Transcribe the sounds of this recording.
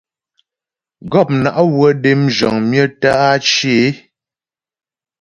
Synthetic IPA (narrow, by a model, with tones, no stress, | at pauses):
ɡɔ˦˨p̚na˨ʔa˦wə˦de˦md͡ʒɔ̰˨ŋmjə˦ta˦a˦t͡ʃje˨˦